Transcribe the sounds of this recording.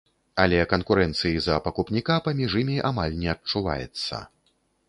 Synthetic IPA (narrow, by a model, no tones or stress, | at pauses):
alʲɛkɐnkuɾɛnt̪sɨjizɐpɐkupnʲikapamʲiʐimʲiʔa̰malʲnʲɛɐt͡ʂuva̰jɛ̰t̪sːɐ̰